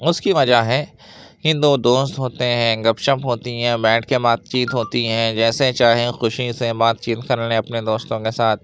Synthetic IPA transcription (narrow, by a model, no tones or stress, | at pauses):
ʊskiʋɐd͡ʒaɦɛː | ɦɪ̃nd̪ud̪oːst̪ɦoːt̪eɦɛ̃ɡɐpʃə̃pɦoːt̪iɦɛ̃ːbɛ̃ːʈkebaːt̪̚t͡ʃiːt̪ɦoːt̪iɦɛ̃d͡ʒɛːset͡ʃaːɦẽxʊʃisebaːt̪̚t͡ʃiːt̪kɐɾneɐpned̪oːst̪õkesaːt̪̚ʰ